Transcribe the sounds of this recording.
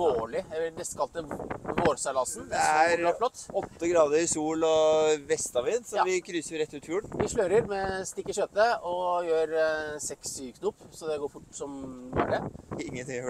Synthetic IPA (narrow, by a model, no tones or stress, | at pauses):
oːɭɪænɛst̪kʰɑlt̪əʋoːɾsælɑsn̩d̪ɛæɾɑflɔt̪ːɔt̪ːəɡɾɑːd̪əɾɪsuːlɔʋɛst̪ɑʋiːnsɔʋɪkʰɾyːsəɾɪɾɛt̪ːʉːt̪fjuːlʋɪʂɭœʏɾəɾmɛst̪ɪkːəʂœːt̪ːəɔjøːɾsɛksykʰnuːpːsɔd̪ɛɡoːɾfʊʈːsɔmbɑ̰ɖɛɪŋːənt̪ɪŋ